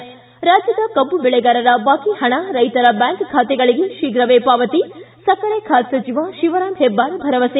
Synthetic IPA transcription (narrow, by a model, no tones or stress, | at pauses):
ɾaːd͡ʒjɐd̪ɐkɐmbubɛɭɛɡaːɾɐɾɐbaːkihɐɳaɾɐjt̪ɐɾɐbaːŋkkʰaːt̪ɛɡɐɭiɡeʃiɡɾɐʋeːpaːʋɐt̪isɐkɐɾeːkʰaːt̪sɐt͡ʃiʋaʃiʋɐɾaːmɦebːaːɾbʱɐɾɐʋɐse